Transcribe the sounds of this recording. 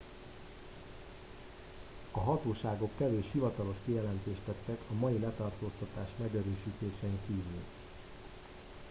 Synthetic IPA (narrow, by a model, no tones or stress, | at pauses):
ɒɦɒt̪oːʃaːɡo̞kːɛveːʃhivɒt̪ɒlo̞ʃkijɛlɛnt̪eːʃt̪ɛt̪ːɛkʰɒmɒjilɛt̪ɒrt̪oːst̪ɒt̪aːʃmɛɡøɾøːʃiːt̪eːʃɛiŋk̪iːvyl